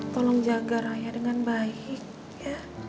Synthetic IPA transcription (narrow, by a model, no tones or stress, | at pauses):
t̪ɔlɔŋd͡ʒaɡaɾaɲadəŋanbaik̚ | ja